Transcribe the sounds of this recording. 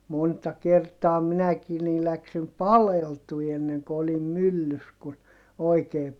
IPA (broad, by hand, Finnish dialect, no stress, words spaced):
montɑ kertɑː minækiː niː læksim pɑleltui enːeŋko olim mylːys kun oikeː